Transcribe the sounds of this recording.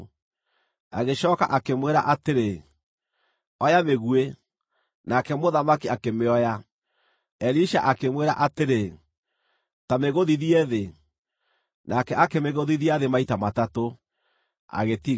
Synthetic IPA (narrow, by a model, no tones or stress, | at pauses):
aɣeɕɔːka̰ʔakemweɾa̰ʔateɾe | ɔjameɣue | nakɛmoðamakiakemeɔja | ɛliʃa̰ʔakemweɾaʔateɾe | tameɣoðiðiɛðe | nʔakɛʔakemeɣoðiðiaðemaitamatato | a̰ɣeti